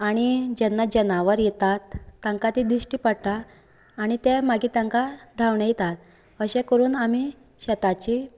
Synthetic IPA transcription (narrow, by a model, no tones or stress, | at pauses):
aɽ̃id͡ʑɛnːad͡ʑɛnaʋəɾjɛt̪at̪ːãŋkat̪id̪iɕʈiːpəɽʈ̪aː | ɽ̃it̪ɛmaɡiːt̪ãŋkad̪ʱaʋɳejt̪at̪̚ | əɕẽkəɾuːnami | ɕɛt̪at͡ɕi